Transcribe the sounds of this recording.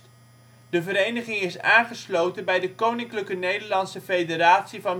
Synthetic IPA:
d̥əvəɾejnəχɪŋɪsaːnχəslowtənbɛjdəkownɪŋkləkənejdəɹlɑnsəfejdəɾaːtsivɑn

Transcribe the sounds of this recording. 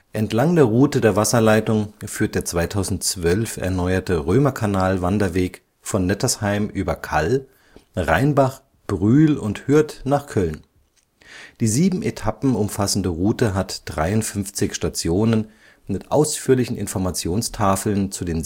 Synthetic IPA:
ʔɛntlaŋdeːɐʁuːtədeːɐvasɐlaɪtʊŋfyːɐt̚d̥eːɐt͡sv̥aɪtʰaʊzn̩tt͡sv̥œlfʔɛ̰ɐnɔʏɐtəʁøːmɐkʰanaːlvandɐveːk | fɔnːɛtʰɐshaɪmʔyːbɐkʰal | ʁaɪnbaχ | b̥ʁyːlʊnthʏɐtnaːχkʰœln | d̥iːziːbm̩ʔetʰapm̩ʊmfasn̩dəʁuːtəɦatd̥ʁaɪʊntfʏnft͡sɪçʃtat͡sjoːnən | mɪtʔa̰ʊsfyːɐlɪçn̩ʔɪ̰nfɔɐmat͡sjoːnstʰaːfl̩nt͡sudeːn

